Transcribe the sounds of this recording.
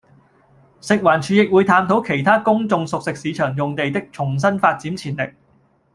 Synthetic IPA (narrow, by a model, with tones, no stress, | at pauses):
sɪ˨k̚waː˨˩nt͡ʃʰyː˨jɪ˨k̚wuː˨˧jt̪ʰaː˧mt̪ʰo˨˥wkʰe˨˩jt̪ʰaː˥kʊ˥ŋt͡sʊ˧ŋsʊ˨k̚sɪ˨k̚siː˨˧˥t͡ʃʰœː˨˩ŋjʊ˨ŋt̪e˨jt̪ɪ˥k̚t͡sʰʊ˨˩ŋs̬ɐ˥nfaː˧t̚t͡siː˨˥mt͡sʰiː˨˩nlɪ̰˨k̚